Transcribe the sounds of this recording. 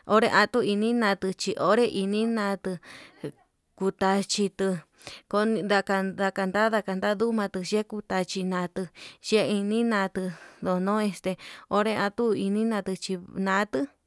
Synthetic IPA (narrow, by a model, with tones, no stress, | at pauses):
o˦ɾe˦ʔã˧t̪u˦i˧nĩ˦nã˧t̪ɨ˧t͡ʃi˧ʔo˦ɾe˦ʔi˧nĩ˦nã˧˦t̪ɨ˧ | ku˧t̪a˧t͡ʃi˧t̪ɨ˧ | ko˧nĩ˧d̪a˧ka˧ða˧ka˧nd̪a˦ða˧ka˧nd̪a˦ðu˦mã˧t̪ɨ˧ʃe˦ku˧t̪a˧t͡ʃi˧nã˨˧t̪ɨ˧ʃe˦i˧nĩ˦nã˧t̪ɨ˧ðo˧nõ˦e˧st̪e˧o˦ɾe˦ã˧t̪u˦i˧nĩ˦nã˧t̪ɨ˧t͡ʃi˧nã˨˦t̪ɨ˦